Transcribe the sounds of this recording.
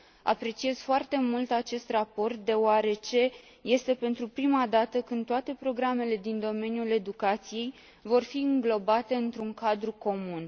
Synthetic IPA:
a̰pɾe̞t͡ʃie̞z̥foart̪e̞mult̪at͡ʃe̞st̪rapo̞rt̪̚d̪e̞oaɾe̞t͡ʃe̞ | je̞st̪e̞pe̞nt̪ɾupɾimad̪at̪əkɨnd̪t̪oat̪e̞pɾo̞ɡɾame̞le̞d̪ind̪o̞me̞njule̞d̪ukat̪sije̞j | vo̞rfiɨŋɡlo̞bat̪e̞ɨnt̪ɾuŋkad̪ɾuko̞mun

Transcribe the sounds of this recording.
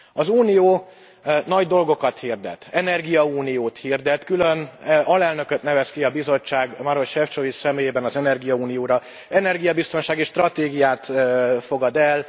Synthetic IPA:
ɒzuːnijoː | nɒɟd̪o̞lɡo̞kɒt̪hird̪ɛ̰t̪ːɛnɛrɡijɒuːnijoːt̪hird̪ɛt̪kylø̞nɒlɛlnø̞køt̪nɛvɛskiɒbizo̞t͡ʃːaːɡmɒɾo̞ʃhɛft͡ʃo̞vit͡ʃsɛmeːjeːbɛnɒzɛnɛrɡijɒuːnijoːɾɒ | ɛnɛrɡijɒbist̪o̞nʃaːɡiʃt̪rɒt̪eːɡijaːt̪ːfo̞ɡɒd̪ɛl

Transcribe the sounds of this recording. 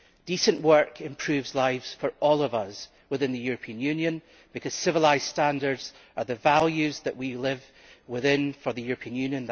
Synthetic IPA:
d̥isə̃nʔwɜ˞kʰɪ̃mpʰɹ̥ʉvzlˠaɪvz̥fə˞ʔɔlˠʌvʌz̥ | wɪθɪ̃nðəjʉɹəpʰĩə̃njʉ̃njə̃n | b̥ɨkʰʌz̥sɪvəlˠaɪz̥stãndə˞dz̥ə˞ðəvalˠjʉzðəʔwilˠɪv | wɪθɪ̃nfə˞ðəjʉɹəpʰĩə̃njʉ̃njə̃nð

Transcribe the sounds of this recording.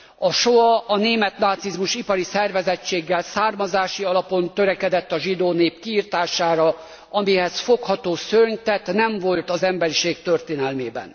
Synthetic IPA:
ɒʃoɒɒneːmɛt̪naːt̪sizmuʃipɒɾisɛrvɛzɛt͡ʃːeːɡːɛlsaːrmɒzaːʃiɒlɒpo̞nt̪ø̞ɾɛkɛd̪ɛt̪ːɒʒid̪oːneːpkiːrt̪aːʃaːɾɒ | ɒmiɦɛsfo̞khɒt̪oːsørɲt̪ɛt̪nɛɱvo̞lt̪ɒzɛmbɛɾiʃeːk̚t̪ørt̪eːnɛlmeːbɛ̰n

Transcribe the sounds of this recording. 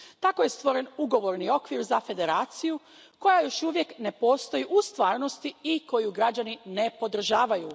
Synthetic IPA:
t̪ako̞je̞st̪ʋo̞ɾe̞nuɡo̞ʋo̞ɾnio̞kʋiɾzafe̞d̪e̞ɾaːt̪siju | ko̞jajo̞ʃuʋje̞kne̞po̞ːst̪o̞jiʔust̪ʋaːɾno̞st̪iiko̞juɡɾad͡ʑanine̞po̞d̪r̩ʒaːʋaju

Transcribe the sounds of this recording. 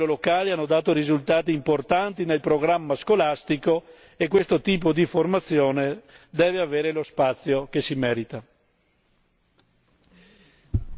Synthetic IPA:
olokaːlianːod̪aːt̪oɾizult̪aːt̪̬iːmport̪ant̪inelpɾoɡɾamːaskolast̪iko | ekːwest̪ot̪iːp̬od̪iformat̪sːjoːne | d̪ɛːveaveːɾelospat̪sːjokesimɛːɾit̪a

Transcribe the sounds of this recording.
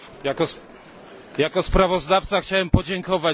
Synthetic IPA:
akɔ | jakɔspɾavɔzd̪aft̪saxt͡ɕawɛmpɔd͡ʑɛŋkɔva

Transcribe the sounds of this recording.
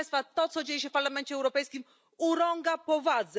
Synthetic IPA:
jst̪fat̪ɔt̪sɔd͡ʑejɛɕ̬ɛfpaɾlamɛnt͡ɕɛwɾɔpɛjskʲim | uɾɔŋɡapɔvad̪z

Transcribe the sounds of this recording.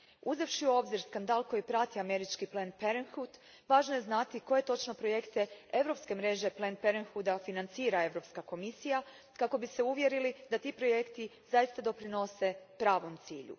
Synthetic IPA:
uzeʋʃiuo̞bziɾskand̪aːlko̞jipɾat̪iame̞ɾit͡ʃkiplenpeɾenxut̪ | ʋaːʒnoje̞znat̪iko̞jet̪o̞t͡ʃno̞pɾo̞je̞kt̪e̞e̞ʋɾo̞pske̞mɾe̞ʒe̞plenpeɾenxud̪afinant̪siːɾae̞ʋɾo̞pskako̞misija | kako̞biseuʋje̞ɾilid̪at̪iːpɾo̞je̞kt̪i | zajist̪ad̪o̞pɾino̞se̞pɾaːʋo̞mt̪sḭːʎṵ

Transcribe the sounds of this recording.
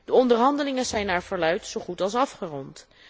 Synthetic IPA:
d̥əɔndəɹɦɑndəlɪŋəzɛjnaːɹvəɹlœɥtsowχutɑlˠsɑfχərɔnt

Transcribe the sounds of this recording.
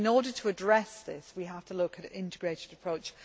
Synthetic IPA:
nɔːɾətʰəədɹɛsðɪ̰swiɦaftʰəlʊkʰəɾɪ̃ntɪɡɹeɪtɪdəpʰɹ̥oʊt͡ʃ

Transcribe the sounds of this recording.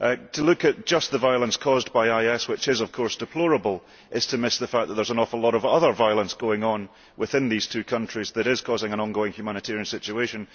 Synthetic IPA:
ʔtʰəlˠʉkɨʔ̚d̥ʒ̥ʌsðəvaɪəlˠə̃nskʰɔzbaɪaɪɛswɪt͡ʃɪzʌv̥kʰɔɹsd̥ɨpʰl̥ɔɹəbəl̩ˠ | ʔɪz̥tʰəmɪsðəfak̚ðəʔ̪ðə˞zənɔfəlˠɔɾəvʌðə˞vaɪlˠə̃nsɡ̥oɪ̃ŋə̃n | wɪθɪ̃nðiz̥tʰʉːkʰʌ̃nt͡ʃɹ̥izðəɾɪz̥kʰɔzɪ̃ŋə̃nɔ̃nɡoɪ̃ŋhjʉmañɪtʰɛɹiɨ̃nsɪt͡ʃʉeʃə̃n

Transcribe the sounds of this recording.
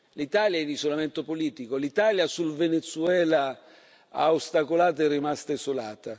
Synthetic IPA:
lit̪aːljaɛlisolamɛnt̪opoliːt̪ikolit̪aːljasulvenet̪suɛːla | a̰ost̪akolaːt̪ɛrːimast̪aizolaːt̪a

